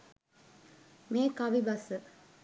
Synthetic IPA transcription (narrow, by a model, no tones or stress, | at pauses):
meːkɐʋibɐsɨ